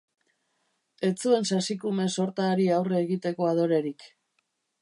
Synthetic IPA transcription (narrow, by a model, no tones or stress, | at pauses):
e̞t͡sue̞nsasikume̞so̞ɾt̪aɾiawre̞ːɣit̪e̞ko̞að̞o̞ɾe̞ɾik